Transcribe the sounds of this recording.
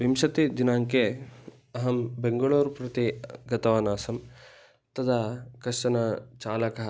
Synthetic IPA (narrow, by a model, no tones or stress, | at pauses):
ʋimʃɐt̪id̪inaːŋke | ɐɦɐmbeŋɡɐɭuːɾpɾɐt̪iɡɐt̪ɐʋaːnaːsɐm | t̪ɐd̪ʱakɐʈɐnɐt͡ʃaːlɐkɐɦɐ